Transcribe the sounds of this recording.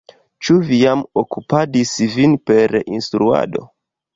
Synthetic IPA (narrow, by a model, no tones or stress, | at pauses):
t͡ʃuvijamokupadisvinpe̞ɾinstɾua̰do̞̰